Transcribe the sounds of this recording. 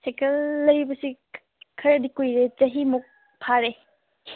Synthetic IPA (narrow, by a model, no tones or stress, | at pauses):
sekelːɐɾibɐsi | kʰɐɾɐdikojɾed͡ʒɐɦimuk̚ | pʰaɾe